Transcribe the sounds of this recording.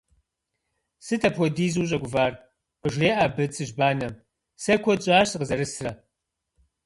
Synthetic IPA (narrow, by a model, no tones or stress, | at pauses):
sɨtʰɐpʰʷɔdiːzuːʑʼɐɡʷʊvaːr | qəʒreːʔabɨt͡sʰɨʒbaːnɐm | sɐkʷʰɔt͡ʃʼaːɕqəzɐɾɨsrɐ